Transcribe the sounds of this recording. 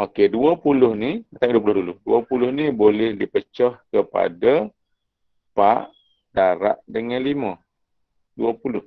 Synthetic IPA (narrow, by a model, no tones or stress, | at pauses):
okeduəpulʊhniət̪aduəpulʊhdulʊhduəpulʊhnibolɛhdipət͡ʃɔhkəpa̰da | paʔ | daɾa̰ʔdəŋanlimã | duəpulʊh